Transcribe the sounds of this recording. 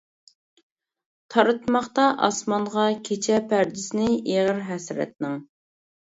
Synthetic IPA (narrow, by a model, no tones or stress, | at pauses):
t̪ʰɑɾɨt̪mɑχt̪ɑʔɑ̰smɑɴʁɑkʲʰet͡ʃʰɛpʰæɾd̪ɪsɪnɪeʁəɾɦɛsɾɛ̰t̪̚nɪŋ